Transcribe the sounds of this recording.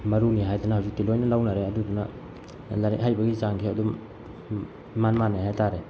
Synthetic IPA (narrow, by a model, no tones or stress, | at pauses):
mɐɾuniɦajdanɐhawzik̚tilojnɐlawnaɾeɐduduna | laɾḭʔɦajbɐɡizaŋkʰeɐdu | manmanaɦajtaɾe